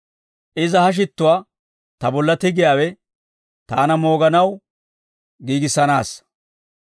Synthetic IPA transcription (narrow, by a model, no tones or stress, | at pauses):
ʔɪzɐhɐʃ̬ɪt̪ːʊwaː | t̪ɐbɔlːɐt̪ɪɡɪjaːwɛ | t̪aːnɐmoːɡɐnɐw | ɡiːɡɪsːɐnaːs